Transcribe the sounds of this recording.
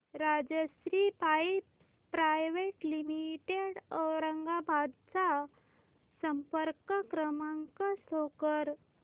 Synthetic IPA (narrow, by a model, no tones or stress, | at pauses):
ɾad͡ʑəɕɾipai | pɾajʋeʈlimiʈeɽəwɾəŋɡabʱad̪t͡sa | səmpəɾkəkɾəmaŋkəsokəɾ